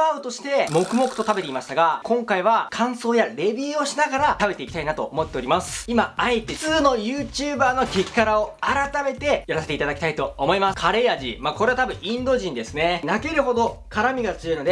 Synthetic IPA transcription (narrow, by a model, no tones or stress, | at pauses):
aɯ̟t̪o̞ɕi̥t̪e̞mo̞kɯ̟mo̞kɯ̟̥t̪o̞t̪abe̞t̪e̞imaɕi̥t̪aɡakõ̞ŋkaiβ̞akʰãɰ̃so̞ːjaɾe̞bʲiːo̞ɕinaɡaɾat̪abe̞t̪e̞ikʲi̥t̪ainat̪o̞̰ːmo̞t̪ːe̞o̞ɾʲimasɨ̥imaaet̪ːe̞t͡sɨːno̞jɯːt͡ɕɨːbaːno̞kʲekʲi̥kaɾao̞aɾat̪ame̞t̪e̞jaɾase̞t̪e̞it̪ad̪akʲi̥t̪ait̪oːmo̞imaskʰaɾe̞jaʑimaːko̞ɾe̞at̪abɯ̟̃ĩnd̪o̞ʑĩnd̪e̞sɨne̞nake̞ɾɯ̟ɦo̞d̪o̞kʰaɾamʲiɡat͡sɨjo̞ino̞d̪e